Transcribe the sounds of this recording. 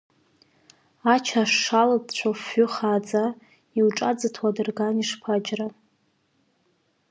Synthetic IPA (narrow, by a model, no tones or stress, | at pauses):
at͡ʃʰaʂːaladt͡ɕʷʰafʏχaːd͡za | iwʈ͡ʂʼad͡zɨtʰwadɨrɡaniʂpʰad͡ʒra